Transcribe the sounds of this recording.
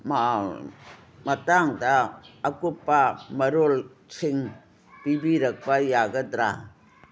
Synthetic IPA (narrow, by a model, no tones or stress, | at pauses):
ma | mɐtaŋdaːkupːamɐɾol | siŋ | pibiɾɐk̚pajaɡɐdɾa